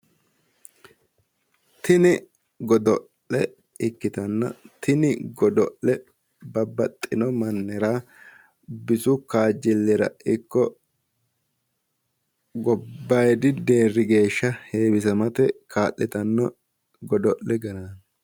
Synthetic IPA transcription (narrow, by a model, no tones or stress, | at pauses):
t̪ɪnɪ | ɡɔd̪ɔʔːɛ | ɪkːɪt̪ɐnːɐ̰t̪ʰɪnɪɡɔd̪ɔʔːɛ | bɐbːɐt̪ʼːɪnɔmɐnːɛɾaː | bɪsʊkaːd͡ʒɪlːɛɾɐ̰ɪkːɔ | ɡɔbːɐjd̪ɪd̪e̞ːrːɪɡe̞ːʃːɐheːbɪsɐmɐt̪ɛkʰaːʔːɛt̪ɐnːɔ | ɡɔd̪ɔʔlɛɡɐnɐn